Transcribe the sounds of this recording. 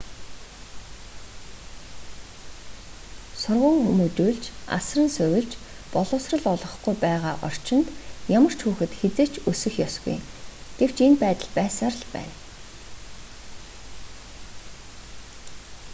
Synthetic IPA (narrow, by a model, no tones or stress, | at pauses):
sʊrʁə̆ːŋxumuːt͡ɕuːɮt͡ɕa̰srə̆nsʊwɪ̆ɮt͡ɕ | pɔɮʊːsrə̆ɮɔɮʁɞ̆χɡujpæːʁaːʔɔr̥t͡ɕɪ̆nt̪jamə̆r̥t͡ɕxuːxɘ̆t̪xet͡seːt͡ɕɵsɘ̆xjɔsɡṵjɡ̥ew̥t͡ɕenpæːt̪ə̆ɮpæːsaːrɮpæ̰ːn